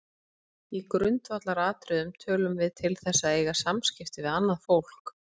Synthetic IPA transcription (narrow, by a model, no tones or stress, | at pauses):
ikɾʏnt̪vat̪laɾaːt̪ɾʏðʏmt̪ʰœːlʏmvɪðt̪ʰɪlθɛsːaeːjɣasamscɪft̪ɪvɪðanːaðfowl̥k